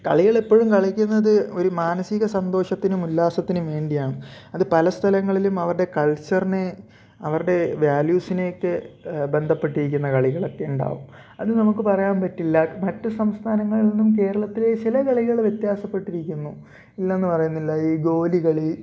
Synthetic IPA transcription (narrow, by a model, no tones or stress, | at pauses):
kɐ̰ɭiɣɐɭepːo̞ːɻumkɐɭikʲːunːɐðɨo̞ɾumaːnɐsiɣɐsɐnd̪o̞ːʂɐt̪ːinumulːaːsɐt̪ːinuʋe̞ːɳɖijaːɳɨɐðɨpɐlɐst̪ʰɐlɐŋːɐɭilumɐʋɐɾɨɽe̞kɐlt͡ɕːɐrine | ɐʋɐɾɨɽe̞ʋjaːljuːsine̞ːkːɨbe̞nd̪ʱɐpːe̞ʈːiɾikʲːunːɐkɐɭiɣɐɭɐt̪ːeuɳɖa̰ːʋum | ɐðɨnɐmukːɨpɐrɐjaːnpɐtːilːɐmɐtːɨsɐmst̪ʰaːnɐŋːɐɭiinːumke̞ːɾɐɭɐt̪ːile̞t͡ɕilɐkɐɭiɣɐɭʋjet̪jaːsɐpːe̞ʈːiɾikʲːunːu | ilːɐenːɨpɐrɐjunːilːɐiːɡo̞ːliɣɐɭi